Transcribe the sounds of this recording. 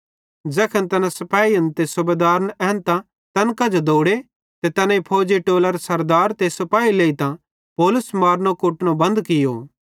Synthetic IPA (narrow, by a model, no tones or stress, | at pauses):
d͡ʒɛːkʰənt̪ɐnãsɐpaːiɐnt̪esʊbed̪aːɾnɛɦnt̪ã | t̪ɐnkãd͡ʒod̪oːɽe | t̪et̪ɐnãipʰoːd͡ʒiʈoːləɾsɐɾd̪aːɾt̪esɐpaːileːit̪ã | pɔːlʊsmaːɾnokʊʈnõbɐ̃nd̪kɪjo̰ː